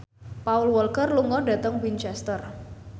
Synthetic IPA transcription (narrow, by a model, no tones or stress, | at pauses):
paulwɔlkərluŋɔɖä̤t̪əŋwint͡ʃɛst̪ər